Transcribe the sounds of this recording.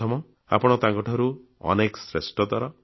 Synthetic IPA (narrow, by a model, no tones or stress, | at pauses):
ɔmɔ | a̰pɔɽ̃ɔt̪ãŋkɔʈʰɔɾuɔ̰nekɔsɾesʈɔd̪waɾa